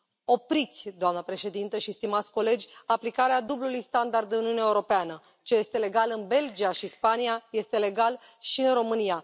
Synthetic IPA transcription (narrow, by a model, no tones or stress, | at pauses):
o̞pɾit̪sʲd̪oamnəpɾe̞ʃe̞d̪int̪əʃist̪imat̪sʲko̞le̞d͡ʒʲaplikaɾead̪ublulujst̪and̪ard̪ɨnuniuneaeuɾo̞peanə | t͡ʃe̞je̞st̪e̞le̞ɡalɨnbe̞ld͡ʒiaʃispaniaje̞st̪e̞le̞ɡalʃiɨnro̞mɨnia